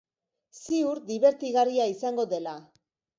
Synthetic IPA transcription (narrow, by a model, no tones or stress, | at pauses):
siuɾd̪iβe̞ɾt̪iɣariaisaŋɡo̞ðe̞la